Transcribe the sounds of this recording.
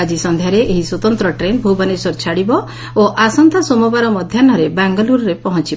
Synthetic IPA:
ad͡ʒisɔnd̪ʱjaɾeʔeɦiswɔt̪ɔnt̪ɾɔʈɾenbʱubɔnesɔɾt͡ʃʰaɽibɔ | oʔasɔnt̪ɔsomɔbaɾɔmɔd̪ʱjanɔɾebaŋɡɔluɾɔɾepɔɦɔ̃nt͡ʃib

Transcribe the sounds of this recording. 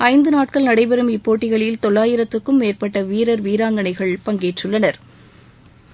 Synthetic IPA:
ʔɐɪnd̪ɯnaːʈ̚kɐɭnɐɽɐɪpɛɾɯmɪpːoːʈːɪɣɐɭɪlt̪ɔɭːaːjɪɾɐt̪ːɯkːɯmːeːrpɐʈːɐʋiːɾɐɾʋiːɾaːŋɡɐɳɐɪɣɐɭpɐŋɡeːʈrɯɭːɐnɐɾ

